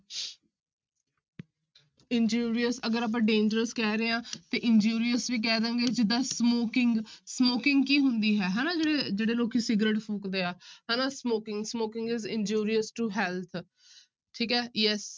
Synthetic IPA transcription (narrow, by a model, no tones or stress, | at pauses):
ɪnd͡ʒuːɾijəsəɡəɾaːp̬ãːɖẽːnd͡ʒəɾəskɛːɾeːãːt̪eːʔɪnd͡ʒuːɾiəsʋiːk̬ɛːd̪ə̃ːŋɡeːd͡ʒɪd̪aːsmoːkɪŋɡsmoːkɪ̃ŋɡkiːɦʊnd̪iːɦɛːɦɛːnaːd͡ʒeːɽeːd͡ʒeːɽeːloːkiːsɪɡɾeːʈpʰoːkd̪eːaːɦɛːnaːsmoːkɪ̃ŋɡsmoːkɪ̃ŋɡɪzɪnd͡ʒuːɾijəsʈuɦɛːlt̪ʰ | ʈʰiːkɛːjɛs